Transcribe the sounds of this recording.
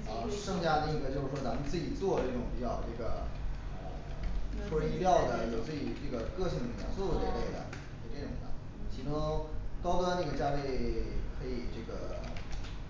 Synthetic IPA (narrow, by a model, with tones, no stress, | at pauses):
ə˧˩ʂɤ˥˧ŋt͡ɕja˥˧i˥˩ŋ˥˩ə˧˩t͡ɕjo˥˧ʊʂɻ̩˥˩ʂwt͡sa˧˥mə˧nt͡sɹ̩˥˩t͡ɕi˨˩t͡swɔ˥˧ʈ͡ʂɤ˥˩ʈ͡ʂʊ˨˩ŋpi˥˩t͡ɕjɑ˨˧˩ʊʈ͡ʂɤ˥˩ɡə̰˩ə̰˧˨˩ʂʰwɔ˥i˥ljɑ˥˩ʊd̪ə˩jo˨˩ʊt͡sɹ̩˥˩t͡ɕi˨˩ʈ͡ʂɤ˥˩ɡə˩kɤ˥˧ɕi˥˩ŋə˨˩ljɑ̰˧˥nso˥˩d̪ə˩t̪e˥˧ɪle˥˩ɪd̪ə̰˩ | e˨˩ʈ͡ʂʈ͡ʂʊ˨˩ŋd̪ə̰˧˩ | t͡ɕʰi˧˥ʈ͡ʂʊ˥ŋk̪ɑ˥ʊk̪ɔ˥na˥˩ɡə˩t͡ɕja˥le˥˧ɪkʰɤ˧˥i˨˩ʈ͡ʂɤ˥˩ɡə˩